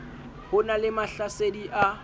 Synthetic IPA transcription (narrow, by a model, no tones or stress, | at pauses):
hʊnalɪmaɬasediʔa